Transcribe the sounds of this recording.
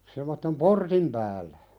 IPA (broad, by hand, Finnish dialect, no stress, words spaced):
semˑotːem portim pæːlˑæ̥